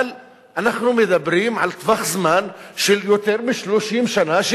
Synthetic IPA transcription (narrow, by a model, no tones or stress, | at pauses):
l | ʔanaħnumɪd̪æbːɾiːnʕalt̪ˤbɑxzmaːnʃɪljʊt̪eɾmɪʃluʃiːmʃanaʃɪ